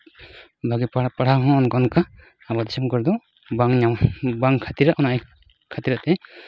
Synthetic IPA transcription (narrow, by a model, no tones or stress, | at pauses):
bʱaɡippaɽaɦɔ̃ɔnkɔnkaː | bad̪isɔmkɔɾd̪ɔ | baŋɲambaŋkʰat̪iɾaʔɔnaj | kʰat̪iɾaʔt̪ɛ